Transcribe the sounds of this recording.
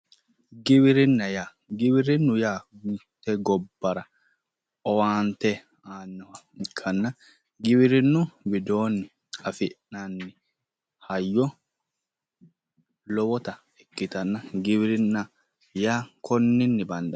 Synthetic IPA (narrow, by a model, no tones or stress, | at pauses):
ɡiwiɾinːaja | ɡiwiɾinːujatɛɡɔbːaɾa | ɔwaːnt̪ɛ | aːnːawakʰːanːa | ɡiwiɾinːuwidɔːnːi | afiʔnanːi | hajːɔ | lɔwɔt̪a | ɛkːit̪anːaɡiwiɾinːa | jakʰɔnːinːibanda